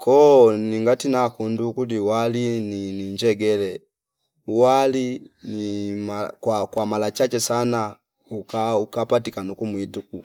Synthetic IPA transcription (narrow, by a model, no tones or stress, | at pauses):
kʰɔniŋɡatinakundukudiwalininiɲd͡ʒɛɡɛlɛ | uwalinimakwakwamalat͡ʃat͡ʃɛsana | ukaukapatikanukumwituku